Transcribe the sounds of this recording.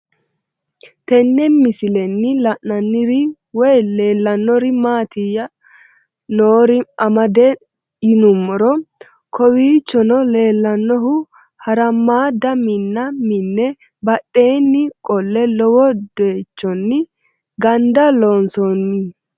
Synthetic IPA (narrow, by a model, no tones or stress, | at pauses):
t̪ɛnːɛmɪsɪlɛnːɪlɐʔnɐnːɪɾɪ | wɔjle̞ːlːɐnːɔɾɪmaːt̪ɪjɐ | noːɾɪɐmɐd̪ɛ | ɪnʊmːɔɾɔ | kʰɔwiːt͡ʃːɔnɔle̞ːlːɐnːɔɦʊ | hɐɾɐmaːd̪ɐmɪnːɐmɪnːɛ | bɐɗːe̞ːnːɪkʼɔlːɛlɔwɔd̪̥eːt͡ʃːɔnːɪ | ɡɐnd̪ɐloːnsɔnːɪ